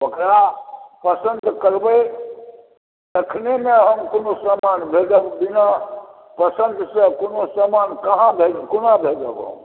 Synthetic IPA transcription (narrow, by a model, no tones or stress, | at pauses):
ʋəkɾapəsənd̪kəɾbəj | t̪ekʰnemẽɦəmkonosəmanbʱed͡ʒəbbina | pəsənd̪sə̃konosəmankəɦãbʱekonabʱed͡ʒəbo̰m